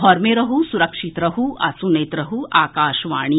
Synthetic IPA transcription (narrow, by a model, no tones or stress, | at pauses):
ɦɔːɾmẽɾɐɦusuɾɐkʃit̪ɾɐɦuʔɐ̰suneːt̪ɾɐɦuaːkaːʃʋaːɽ̃i